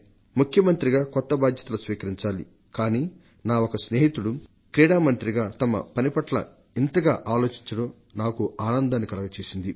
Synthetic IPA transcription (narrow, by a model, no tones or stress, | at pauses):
mukʰjɐmɐnt̪ɾiɡaːkɔt̪ːɐbaːd̪ʱjɐt̪ɐlɐsʋiːkɐɾiɲt͡ʃaːlḭ | kaːniː | naːokɐsne̞ːɦit̪uɽu | kɾiːɽaːmɐnt̪ɾiɡaːt̪ɐmɐ̰pɐnipɐʈlɐ̰ | int̪ɐɡaːʔaːlo̞ːt͡ʃiɲt͡ʃɐɽɐ | naːkuaːnɐnd̪aːnːikɐlɐɡɐt͡ʃeːsind̪i